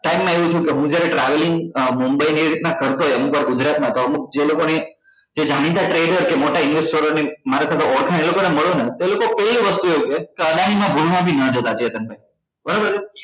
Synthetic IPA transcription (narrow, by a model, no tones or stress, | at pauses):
ʈaimːãeʋũt͡ʃʰũkeɦũd͡ʒjaɾeʈɾaʋelɪŋɡmumbəiniɾit̪nakʰəɾt̪oɦjəmũkəɾɡud͡ʒɾat̪mãt̪oəmũk̚d͡ʒelokone | d͡ʒed͡ʒʱaɽ̃ĩt̪aʈɾeɖəɾkemoʈaɪnʋesʈoɾonemaɾasat̪ʰeɔɾkʰãnelokoneməɭonet̪elokopɛloʋəst̪ueut͡ʃekeəɡ̪añimãbʱulʋãt̪̬ʰinəd͡ʒət̪at͡ʃiət̪ənbʱaj | bʱəɾabəɾ